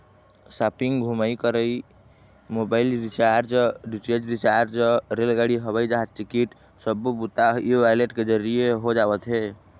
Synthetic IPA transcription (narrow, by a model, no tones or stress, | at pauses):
sapiŋɡɡʱuməjkəɾə | mobaɪlɾit͡ʃaɾd͡ʒɖit͡ʃed͡ʒɾit͡ʃaɾɾd͡ʒɾelɡaɽiɦəβəjd͡ʒaɦt̪ʈikiʈ | səbbut̪aɦiʋajleʈked͡ʒəɾijeɦod͡ʒabət̪ɦe